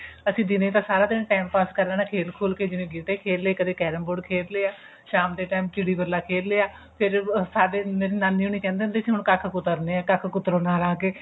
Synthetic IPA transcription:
əsĩːd̪ɪnẽːt̪ãːsaːɾaːd̪ɪnẽːʈaːɪmpaːskəɾlɛːnaːkʰeːlkʰoːlkeːd͡ʒɪnẽːɡiːʈeːkʰeːlːeːkəd̪eːkɛːɾəmbʊɖkʰeːlleːaː | ʃaːmd̪eːʈaːmkɪɽiːbəɾlːaːkʰeːlːeːaː | pʰɪɾsaːɖeːmeːɾiːnaːniːuːɳiːkɛ̃ːnd̪ẽːnd̪eːsiːɦʊɳkəkʰkʊt̪əɾneːãːkəkʰkʊt̪ɾõːnaːlaːkeː

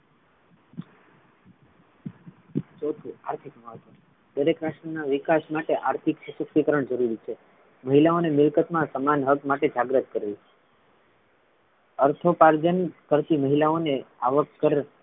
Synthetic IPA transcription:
t͡ʃɔt̪ʰua̰ɾt̪ʰikməɦət̪o | d̪əɾekɾaʃʈənaʋikasmaʈeʔaɾt̪ʰiksəsəksikəɾəɳd͡ʒəɾuɾit͡ʃʰe | məɦilaonemɪlkət̪mãsəmanɦəkmaʈed͡ʒaɡɾət̪̚kəɾelie | əɾt̪ʰopaɾd͡ʒənkəɾt̪iməɦilaonea̰ʋəkːəɾ

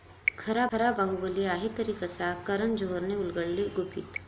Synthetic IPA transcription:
kʰɐɾaɐɾabaɦubəliaːɦit̪ɐɾiːkesakɐɾənd͡ʒoɦɾneʊlɡəɭliɡʊbit̪

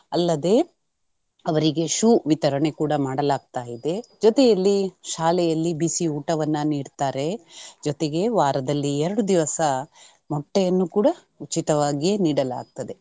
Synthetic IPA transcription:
ɐlːɐd̪e̞ː | ɐʋɐɾiɡe̞ʃuːʋit̪ɐɾɐɳe̞kuːɽɐmaːɽɐlaːɡ̚t̪aːjid̪e̞d͡ʒɔt̪ejɐlːiʃaːlɛjɐlːibisiuːʈɐʋɐnːɐniːɽt̪aːɾe̞d͡ʒɔt̪eɡe̞ʋaːɾɐd̪ɐlːiɛɾɐɽud̪iʋɐsɐ | mɔʈːɛjɐnːukuːɽɐ | ut͡ʃit̪ɐʋaːɡijeniːɽɐla̰ːɡ̚t̪ɐd̪e̞

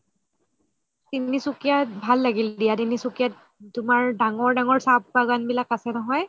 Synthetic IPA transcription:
tinisukijatbʱalːaɡildijadinisukijat | tʊmaɹdaŋɔɹdaŋɔɹsab̚paɡanbilakasɛnɔɦɔj

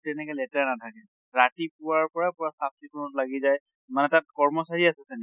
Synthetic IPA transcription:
tɛnɛkɛlɛtaɹnatʰakɛ | ɹatipʊwaɹpɔɹapʊɹasap̚ʰsikʰɔnɔtlaɡizaj | manɛtat̚kɔɹmɔsaɹiasɛsɛnɛk

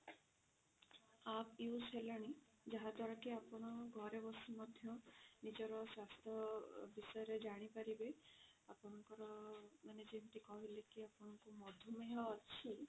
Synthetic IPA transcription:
apewselaɽ̃i | d͡ʒaɦad̪waɾɔkiapɔɽ̃ɔɡʱɔɾebɔsimɔd̪ʱjɔnid͡ʒɔɾɔswast̪ʰɔbisɔjɔɾed͡ʒaɽ̃ipaɾibeapɔ̃ɔŋkɔɾɔmaned͡ʒenʈikɔɦilekiapɔɽ̃ɔŋkumɔd̪ʱumeɦɔːt͡ʃʰi

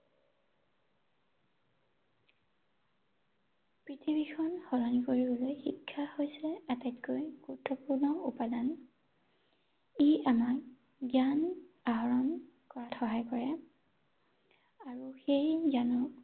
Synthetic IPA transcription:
pɹitʰibikʰɔnxɔlɔnikoɹibɔlojxikʰːahojsɛɛatajtkojɡ̥ɔtʰːɔpuɹnɔupadan | iamak̚ | ɡjanaɦɔɹɔnkɔɹatxɔɦajkɔɹɛ | aɹuxejɡjanɔ

